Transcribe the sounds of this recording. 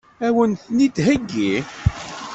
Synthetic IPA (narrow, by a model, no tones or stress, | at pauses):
æwənθnid̪ɦəɡːi